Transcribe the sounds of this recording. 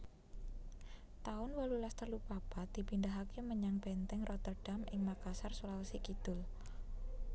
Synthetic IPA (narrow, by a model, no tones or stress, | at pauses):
t̪aʊnwalulast̪əlupab̥ad̪̥i̤pindaɦakeməɲaŋb̥ɛnt̪ɛŋrʔɔt̪ərɖ̥a̤mɪŋmakasarsolawsikid̪̥ʊ̤l